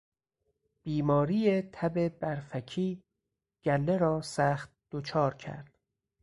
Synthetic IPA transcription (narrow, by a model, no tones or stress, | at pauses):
b̥iːmɒːɾiːjet̪ʰæbe̞bæɾfækʰiː | ɡ̥ælːe̞ɾɒːsæːxt̪̚d̪̥ot͡ʃʰɒːɾcʰæ̰ɾd̪̥